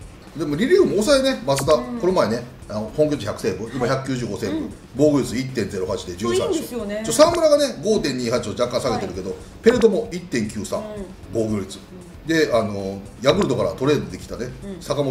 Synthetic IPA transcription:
d̪emoɾʲiɾʲiɯ̟moːsaene̞mas̬ɨt̪ako̞no̞maene̞ | anohõŋkʲoiçʲjakɯ̟̥sẽ̞mbɯ̟̃d̪emoçʲakɯ̟kʲɨːʑɨːɡo̞sẽ̞mbɯ̟̰̃ | bo̞ːɡɯ̟ɾʲit͡sɨit̪ːẽ̞nd͡ze̞ɾo̞ɦat͡ɕid̪e̞d͡ʑɨːsãt͡ɕit͡ɕosãmbɯ̟ɾaɡane̞ɡo̞ːt̪ẽ̞ɲ̟iːhat͡ɕi̥t̪od͡ʑakːãɰ̃saɡe̞t̪eɾɯ̟ke̞d̪o̞ | pe̞ɾɯ̟t̪o̞mo̞it̪ːẽ̞ŋkʲɨːsã̰ŋ | bo̞ːɡɯɾʲit͡sɨ̥ | d̪e̞ano̞ | jaɡɯ̟ɾɯ̟d̪o̞kaɾa̰t̪o̞ɾe̞ːd̪od̪ekʲi̥t̪ane̞sakamo

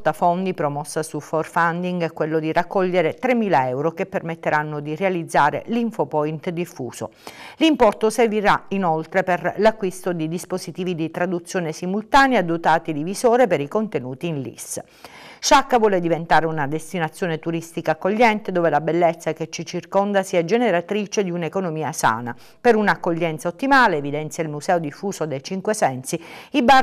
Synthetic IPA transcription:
t̪afɔnd̪ipɾomɔsːasufɔrfand̪iŋɡɛkːwelːod̪irakːɔʎːeɾet̪ɾemːiːlaɛwɾokepːermet̪ːeɾanːod̪irealid̪zːaːɾḛliɱfopɔint̪d̪ifṵːz̥o̰ | limpɔrt̪oserviɾainolt̪ɾeperlakːwist̪od̪id̪ispozit̪iːvid̪it̪ɾad̪ut̪sːjoːnesimult̪aːnjad̪ot̪aːt̪id̪ivizoːɾepeɾikont̪enuːt̪iːnlḭs | ʃakːavwɔːled̪ivent̪aːɾeunad̪est̪inat̪sːjoːnet̪uɾist̪ikaːkːoʎːɛnt̪ed̪oːvelabelːɛt̪sːaket͡ʃːit͡ʃirkond̪asiad͡ʒeneɾat̪ɾiːt͡ʃed̪iunekonomiːasa̰ːna̰ | peɾunakːoʎːɛnt̪saot̪ːimaːleːvid̪ɛnt̪sjailmuzɛːod̪ifːuːsod̪ejt͡ʃiŋkwesɛnsiiba

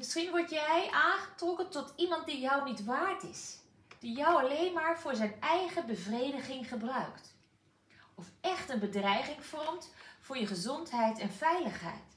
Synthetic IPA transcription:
mɪsχinʋɔɹtjɛjʔaːnχətrɔkəntɔtʰimɑnt̚dijɔwnitʋaːɹtɪs | d̥ijɔwɑlejnmaːɹv̥ʊːɹzɛjnɛjχəbəvrejdəχɪŋχəbrœɥkt | ɔfɛχtənbədrɛjχɪŋfɔɹmtfʊːɹjəχəzɔntɦɛjtɛnvɛjləχɦɛ̰jt

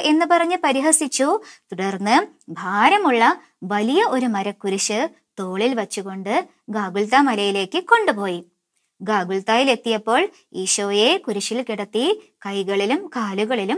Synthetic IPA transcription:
ʔe̞nːɨpɐrɐɲːɨpɐɾiɦɐsit͡ɕːut̪uɽɐrnːɨbʱaːɾɐmuɭːɐ | ʋɐlijɐo̞ɾumɐɾɐkːuɾuɕɨ | t̪o̞ːɭilʋɐt͡ɕːuɣo̞ɳɖɨ | ɡaːɡult̪amɐlɐjile̞ːkːɨko̞ɳɖupo̞ːji | ɡaːɡult̪aːjile̞t̪ːijɐpːo̞ːɭ | iːɕoːje̞kuɾuɕilkiɽɐt̪ːikɐjɣɐɭilumkaːluɣɐɭilum

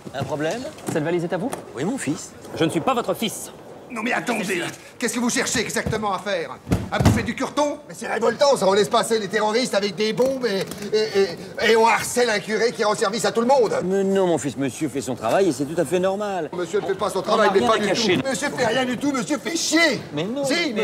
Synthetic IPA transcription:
ɛ̃pχɔblɛmsɛlvalizet̪avuwimɔ̃fis | ʒənəsɥipavɔt̪χəfis | nɔ̃mɛa̰t̪ɑ̃d̪e | kɛskəvuʃɛʁʃeɛɡzak̚t̪əmɑ̃afɛːʁãufɛd̪ykʲyʁt̪ɔ̃mɛsɛʁevɔlt̪ɑ̃saɔ̃lɛspaselet̪eʁɔʁist̪avɛk̚d̪ebɔ̃be | eɔ̃aʁsɛlɛ̃kʲyʁekʲiʁɑ̃sɛʁvisat̪uləmɔ̃d̪mɛnɔ̃mɔ̃fisməsjøfɛsɔ̃t̪χavajesɛt̪ut̪afɛnɔʁmalməsjønəfɛpasɔ̃t̪χavajmɛɛpad̪ytkaʃeməsjøfɛʁjɛ̃d̪yt̪uməsjøpeʃjemɛnɔ̃simɛ

